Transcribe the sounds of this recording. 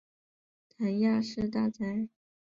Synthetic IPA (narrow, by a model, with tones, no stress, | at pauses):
t̪ʰa˧˥nja˥˧ʂɻ̩˥˧t̪a˥˩t͡sa˧˥ɪ